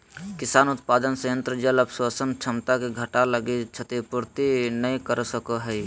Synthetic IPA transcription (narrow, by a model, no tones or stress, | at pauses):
kɪsaːnʊt̪paːd̪ənsəjə̃nt̪ɾəd͡ʒələbswasənt͡ʃʰəmt̪akeɡʱəʈaləɡit͡ʃʰət̪ipʊɾt̪inəĩkəɾsəkoɦɛi